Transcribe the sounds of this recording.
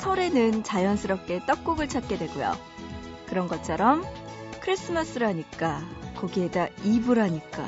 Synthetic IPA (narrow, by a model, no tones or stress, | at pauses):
sʰʌɾe̞nɯnt͡ɕajʌnsʰɯɾʌp̚k͈e̞t͈ʌk̚k͈uɡɯɭt͡ɕʰat̚k͈e̞dwe̞ɡujo̰ | kɯɾʌnɡʌt͡ɕʰʌɾʌmkʰɯɾis͈ɯmas͈ɯɾɦaɲik͈akʌɡiedaibuɾɦaɲik͈a̰